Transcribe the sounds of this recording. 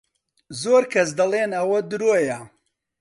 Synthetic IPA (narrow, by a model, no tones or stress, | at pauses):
zoːɾkʰɐs̬d̪ɐlˠeːnɐwɐd̪ɨɾojɐ